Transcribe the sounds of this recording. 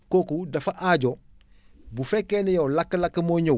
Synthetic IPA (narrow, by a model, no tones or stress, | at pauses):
kokudɐfaʔaɟo | bufekenejolakːɐlakːɐmoɲo